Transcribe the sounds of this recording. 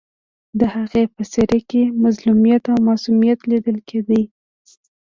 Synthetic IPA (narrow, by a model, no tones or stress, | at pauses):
d̪əhaɣepəseɾekemazlumijat̪awmɑsumijat̪lid̪əlkʰed̪əj